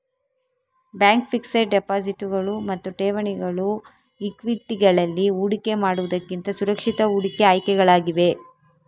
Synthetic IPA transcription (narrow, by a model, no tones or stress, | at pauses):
bjaːŋkpʰiksɐɖepaːd͡ʒiʈːuɡɐɭumɐt̪ːuʈeːʋɐɳiɡɐɭu | ikʋiʈːiɡɐɭɐlːiuːɽike̞maːɽuʋud̪ɐkːint̪ɐsuɾɐkʂit̪ɐuːɽikeaːjkɛɡɐɭaːɡiʋe̞